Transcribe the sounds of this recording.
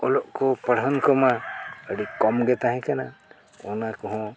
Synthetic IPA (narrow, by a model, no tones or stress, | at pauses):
ɔlɔʔkɔpəɽ̤ɦɔnkɔmaəɽikɔmɡɛt̪aɦɛ̃kana | ɔnakɔɦɔ̃